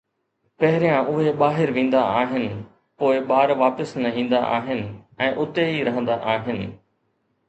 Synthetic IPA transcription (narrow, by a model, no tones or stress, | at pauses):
pɐɦɪɾijãʔʊɦeɓaːɦɪɾʋẽːn̆d̪aaːɦɪnɪ̆ | poːɪɓaːɾʋaːpɪsnɐĩːn̆d̪aʔa̰ːɦɪnɪ̆ɛ̃ːʔʊt̪eɦiɾɐɦə̃nd̪aʔaːɦɪnɪ̆